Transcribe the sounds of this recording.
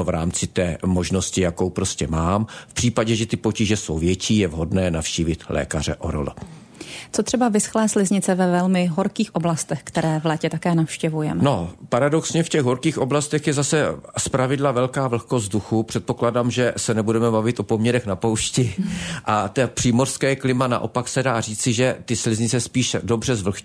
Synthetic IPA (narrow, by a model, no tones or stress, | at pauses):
ovɾa̰ːmt͡sɪt̪ɛːmo̞ʒno̞scɪjako̞wpɾoscɛmaːmfpr̥iːpaɟɛʒɛt̪ɪpociʒɛsowvjɛt͡ʃiːjɛvɦo̞dnɛːnafʃciːvɪt̪lʔɛ̰ːkar̝ɛ̰ʔo̰ɾo̰l̰ | tt͡sot̪r̥ɛbavɪsxlɛːslɪzɲɪt͡sɛvɛvɛlmɪɦoɾkiːxʔoblast̪ɛxkt̪ɛɾɛːvlɛːcɛt̪akɛːnafʃcɛvujɛmɛno̞paɾado̞ksɲɛfcɛɣɦoɾkiːxʔo̞blast̪ɛxjɛzasɛspɾavɪdlavɛlkaːvl̩xkost̪duxupr̝̥ɛt̪̚po̞klaːdaːmʒɛsɛnɛbudɛmɛbavɪt̪ʔopo̞mɲɛɾɛxnapowʃcɪʔat̪ɛpr̝̥iːmorskɛːklɪmana̰ʔo̞̰paksɛdaːr̝iːt͡sɪʒɛt̪ɪslɪzɲɪt͡sɛspiːʃdo̞br̝ɛzvl̩x